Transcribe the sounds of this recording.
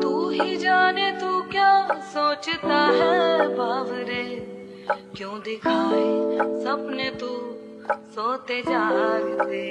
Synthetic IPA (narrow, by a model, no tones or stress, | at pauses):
t̪uːɦid͡ʒaːnet̪ukjaːsoːt͡ʃt̪aɦɛbʱaːʋɾeː | kjõːd̪ɪkʰaːesɐbnet̪u | soːt̪ed͡ʒaːɡt̪eː